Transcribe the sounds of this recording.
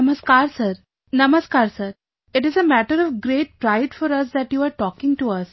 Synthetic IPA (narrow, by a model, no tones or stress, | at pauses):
məskaːɾsəɾ | nʌməskaːɾsəɾ | ɪʈɪzəmæʈəɾɔʋɡɾeːʈ̚pɾaɪɖfɔɾɐs̬d̪æʈjuːaːɾʈɔːkɪ̃ŋʈuɐs